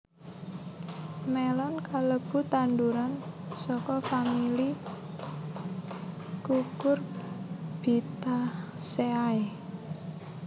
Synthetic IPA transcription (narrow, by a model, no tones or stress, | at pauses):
mɛlɔnkaləb̥ṳt̪and̪uɾansɔkɔfamili | kukʊr | b̥it̪aseae